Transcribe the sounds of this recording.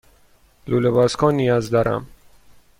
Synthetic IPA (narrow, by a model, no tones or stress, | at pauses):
lulebɒːskʰɒːnijɒːzd̪ɒːɾʔæ̰m